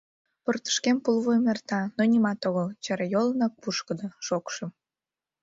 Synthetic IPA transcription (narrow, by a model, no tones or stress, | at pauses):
port̪ə̥ʃkempulβojmert̪ɑnonʲimɑt̪oɣəlt͡ɕɑɾɑjolənɑk̚puʃkəd̪oʃokʃə̆m